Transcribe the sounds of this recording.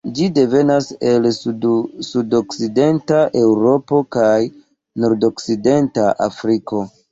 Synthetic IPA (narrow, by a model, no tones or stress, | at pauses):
d͡ʒide̞ve̞nase̞l | sudokside̞ntaʔe̞wɾo̞po̞kaj | noɾdo̞kside̞ntaʔa̰fɾiko̞